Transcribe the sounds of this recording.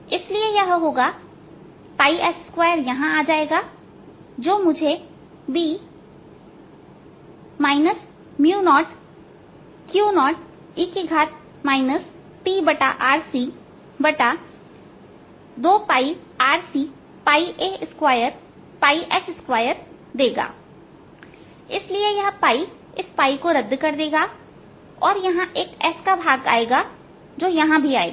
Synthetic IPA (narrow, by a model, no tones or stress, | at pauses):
ɪsliejaɦɦoːɡa | paːiʔɛsɪskwʋaːjəɾjɐɦãaːd͡ʒaːeːɡa | d͡ʒoːmʊd͡ʒʱe | biː | maːɪnəs | mjuːnɔːʈ | kjuːnɔːʈ | ɪkiɡʱaːt̪̚ | maːɪnəs | piːbɐʈa̰ʔaːɾsi | bɐʈa | d̪oːpaːi | aːɾsiː | paːiʔeːɪskwaːjəɾ | paːiʔɛːsɪskwaːjəɾ | d̪eːɡa̰ː | ɪsliejɐɦãpaːi | ɪspaːikoɾɐd̪ːkɐɾd̪eːɡa | ɔːɾjɐɦãʔeːkɛːskabʱaːɡa̰ːeːɡa | d͡ʒoːjɐɦãbʱiaːḛː